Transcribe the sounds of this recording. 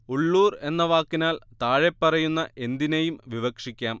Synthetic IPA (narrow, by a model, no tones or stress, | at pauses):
uɭːuːre̞nːɐʋaːkːinaːlt̪aːɻepːɐrɐjunːɐʔe̞nd̪inejumʋiʋɐkʂikʲːaːm